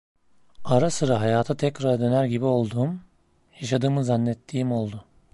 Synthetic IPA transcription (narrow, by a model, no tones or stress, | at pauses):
aɾasɯɾaɦajaːt̪ʰat̪ʰɛcɾaɾd̪ø̞næɾɟibio̞lˠd̪uːm | jaʃad̪ɯːmɯzanːɛt̪ʰːiːimo̞lˠd̪ʊ